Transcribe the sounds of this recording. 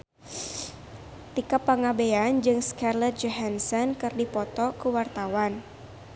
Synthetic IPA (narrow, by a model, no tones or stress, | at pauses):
t̪ikapːaŋabeand͡ʒɨŋskarlɛt̪̚d͡ʒɔɦansɔnkɨrdipɔt̪ɔkuwart̪awan